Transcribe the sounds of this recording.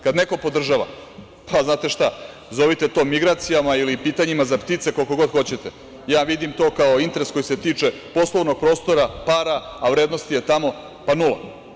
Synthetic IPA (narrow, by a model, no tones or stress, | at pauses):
kad̪neko̞po̞d̪r̩ʒaʋa̰ | pʰaznaːt̪e̞ʃt̪a | zo̞ʋit̪e̞t̪o̞ːmiɡɾaːt̪sijamailipiːt̪aɲimazapt̪it̪se̞kolko̞ɡo̞d̪xo̞t͡ɕe̞t̪e | jaːʋid̪imt̪o̞ːkaoint̪eɾesko̞jise̞t̪iːt͡ʂe̞po̞slˠoʋno̞ɡ̚pɾo̞ːst̪o̞ɾapaːɾaaʋɾeːd̪no̞st̪ije̞t̪amo̞ | panula̰